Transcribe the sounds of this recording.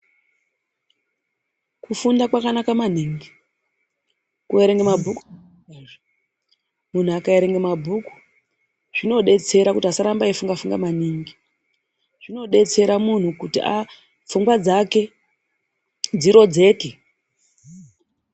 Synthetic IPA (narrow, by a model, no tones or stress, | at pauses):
kufundakwakanakamaniŋɡi | kueɾe̞ŋɡemabʱuk | mun̤uakaeɾe̞ŋɡemabʱuku̥ | ʐ̥ino̞ɗe̞t͡se̞ɾakutiasaɾambaifuŋɡafuŋɡamaniŋɡi | ʐ̥ino̞ɗe̞t͡se̞ɾamun̤ukutḭa | p͡fuŋɡwad͡zake̞ | d͡ziɾo̞d͡ze̞ːke